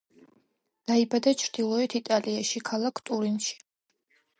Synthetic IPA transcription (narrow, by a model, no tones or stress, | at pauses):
d̪̥aibad̪at͡ʃʰɾd̪̥ilˠɔɛt̪ʰit̪ʼaliaʃikʰalˠakʰt̪ʼuɾinʃi̥